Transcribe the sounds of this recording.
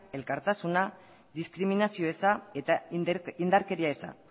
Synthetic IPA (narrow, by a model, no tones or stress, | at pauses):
e̞lkaɾt̪asuna | ðiskɾiminasio̞e̞sae̞t̪aind̪aɾke̞ɾiae̞sa̰